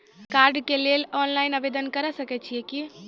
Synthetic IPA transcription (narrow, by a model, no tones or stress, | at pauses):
kaːɾɖkelelɔːnlaɪnəʋed̪ənkəɾɛsəkɛt͡ʃʰieki